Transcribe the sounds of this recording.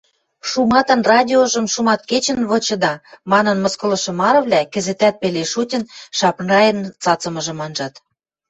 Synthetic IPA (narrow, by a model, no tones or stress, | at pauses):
ʃumɑt̪ɤ̆nrɑdʲioʒɤ̆mʃumɑt̪̚ket͡ɕə̆nβɤ̆t͡ɕɤ̆d̪ɑmɑnɤ̆nmɤ̆skɤ̆lɤ̆ʃɤ̆mɑɾɤ̆βlʲækɘ̆zet̪æt̪̚peleʃutʲə̆nʃɑpnɑjə̆nt͡sɑt͡sə̆mɤ̆ʒɤ̆mɑnʒɑt̪